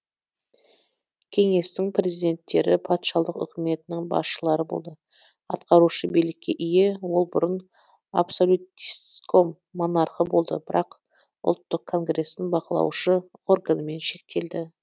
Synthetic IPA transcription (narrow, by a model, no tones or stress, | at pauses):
kʲʰe̞ŋe̞st̪ɪŋpʰrʲe̞zijd̪e̞nt̪ʰːe̞ɾɪpʰɑt̪ʃɑlˠəqʏ̰kʲɪme̞t̪ɪnɪŋbɑ̰sʃəlˠɑɾəbo̞̰lˠd̪ə | ɑt̪qʰɑɾuʃəbelɪkʲːe̞ʔʏjewo̞lˠbʊɾən | a̰psolʲut̪isko̞mːo̞nɑɾqəbo̞lˠd̪ə̰bɪɾɑq | ʊ̰lˠt̪ːəqʰːo̞ŋɡre̞st̪ɪŋbɑqəlˠɑ̰wʃəo̞rɡanəme̞nʃe̞k̚t̪e̞ld̪ɪ